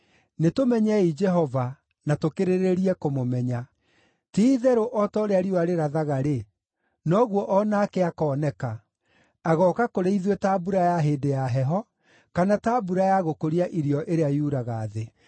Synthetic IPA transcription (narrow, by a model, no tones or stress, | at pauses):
netomɛɲɛid͡ʒɛɦɔva | natokeɾeɾeɾiɛkomomɛɲa | tiiðɛɾoʔɔtɔoɾeaɾioaɾeɾaðaɣaɾe | nɔɣwɔʔɔnaːkeakɔːnɛka | aɣɔkakoɾeiðwɛtaːbuɾajaɦeːdejaɦɛɦɔ | kanataːbuɾajaɣokoɾiaʔiɾiɔʔeɾeajuɾaɣaːðe